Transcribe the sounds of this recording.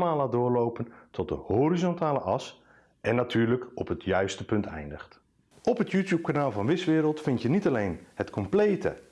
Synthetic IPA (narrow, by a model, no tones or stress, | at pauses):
maːlaːt̚dʊːɹlowpəntʰɔt̚dəhoːɾizɔntaːləʔɑs | ʔɛnatʰyːɹləkɔpɦətʰjœɥstəpɵntʰɛ̰jndəxt | ɔpɦətjuːtjuːp̚kanaːlˠvɑ̃nʋɪsʋɪːɾəlˠtfɪntjənitalejnhətkʰɔmplejtʰə̰